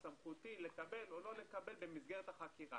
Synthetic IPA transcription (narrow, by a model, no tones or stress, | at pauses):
samχut̪ile̞kabe̞lo̞lo̞le̞kabelbe̞mizɡe̞ʁet̪aχakiʁa̰